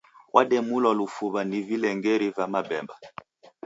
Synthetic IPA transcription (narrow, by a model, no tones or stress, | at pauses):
wʔaɗɛmulɔlufuβanivilɛŋɡɛɾivamabɛmba